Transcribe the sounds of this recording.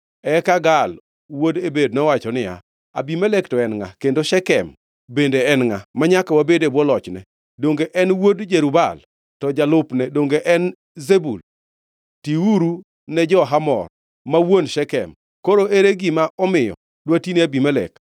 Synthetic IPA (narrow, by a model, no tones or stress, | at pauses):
ɛkaɡal | wodebednɔwat͡ʃɔnɪja̰ | a̰bimalektɔɛnŋa̰kendoʃɛkɛ̰m | bendeɛnŋamaɲakawabedebɔlɔt͡ʃnɛ̰ | doŋɡeʔɛnwodd͡ʒeɾubal | tɔd͡ʒalʊpnɛdoŋɡeʔɛn | zebul | tiuɾu | nɛd͡ʒɔɦamɔ̰r | mawonʃɛkɛ̰m | koɾoʔeɾeɡimaʔɔmɪjɔ̰ | dwatineabimalḛk